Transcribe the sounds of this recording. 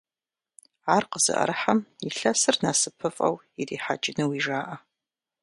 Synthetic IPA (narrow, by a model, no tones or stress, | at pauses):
aːrqəz̥ɨ̰ʔɐ̰ɾɨħamiɬɐsɨrnaːsɨpʰɨfʼɐ̰w | iriːħa̰d͡ʒʼɪnɐwiːʒaːʔɐ